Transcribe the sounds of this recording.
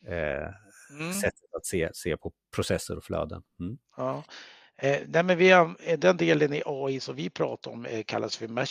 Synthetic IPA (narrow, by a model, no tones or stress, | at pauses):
sɛt̪ʰːət̪at̪seːseːpʰɔpʰɾʊsɛsːəɾɔflœ̰ːd̪ə̰n | ɑː | nɛmɛnvɪad̪ɛnd̪eːlənɪʔɑːɪsɔmvɪpʰɾɑ̰ːt̪aɾɔ̰mkʰa̰lːasfœɾmæ